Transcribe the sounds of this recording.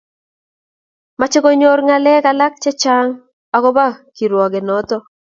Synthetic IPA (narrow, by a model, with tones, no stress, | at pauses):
ma˨t͡ʃɪ˦ɡo˦ɲo˦ɾŋa˨lɛ˦ka˨la˦k̚t͡ʃɛ˦t͡ʃa˦ŋ | ɔ˨kɔ˦ba˦ki˨ɾwɔ˨ɡe˨nɔ˨˦t̪ɔ˦